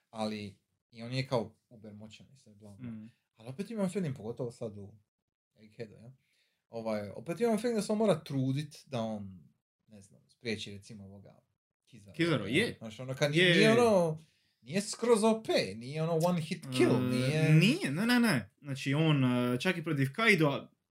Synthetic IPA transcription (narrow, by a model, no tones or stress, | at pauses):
aliː | o̞ːnjekaoubeɾmot͡ʃaniseblˠa | alio̞pet̪imamfilˠmimpoɡo̞t̪o̞ʋosad̪u | elhed̪ṵjelˠ | o̞ʋaːjo̞̰pe̞t̪imamfilˠmd̪aseonmo̞ːɾat̪ɾuːd̪it̪d̪ao̞ːn | nezna̰mspɾje̞ːt͡ʃiɾe̞t̪simooʋoɡa̰ | kizaɾizaɾo̰jenaːt͡ʃionokad̪nnijeono | nijeskɾozopenijeonowanxit̪kilnijenijeneneneznaːt͡ʃioːnt͡ʃakipɾot̪iʋkajd̪oa